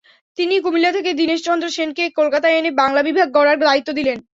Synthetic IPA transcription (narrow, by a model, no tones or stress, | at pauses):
t̪inikumilːat̪ʰeked̪ineʃt͡ɕɔnd̪ɾoʃenkekolkat̪aenebaŋlabibʱaɡːɔɽaɾd̪ait̪ːod̪ilen